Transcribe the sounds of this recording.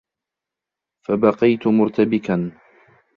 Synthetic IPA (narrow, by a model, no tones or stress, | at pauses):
fabɑqɑjt̪ʊmʊɾt̪abɪkan